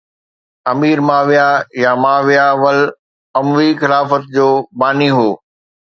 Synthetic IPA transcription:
ɐmiːɾmaːʋijajamaːʋijaʋəl | ɐmʋixɪlaːfət̪̚d͡ʑoːbaːniɦoː

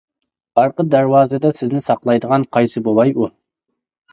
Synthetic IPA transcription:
ɑɾqəd̪æɾwɑːzɨd̪ɛsɪznɪsɑqlˠɑjd̪əʁɑnqʰɑjsɨbolˠɑju

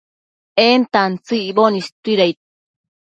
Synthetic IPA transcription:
ent̪ant͡sɨiβonist̪uiɾajt̪̚

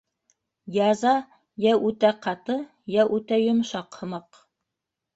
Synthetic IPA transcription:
jɑzɑ | jæʔʉt̪æqɑt̪ɤ | jæʔʉt̪æjŏmʃɑqhɤ̆mɑq

